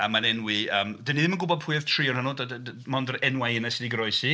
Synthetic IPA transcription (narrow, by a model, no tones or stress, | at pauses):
əmanɛnwiəmd̥əniðɪmənɡʊbɔd̚pʰʊɨð̥tʰriɔnhanʊdəmɔndəɾɛnwajənasɪdiɡɾɔɨsi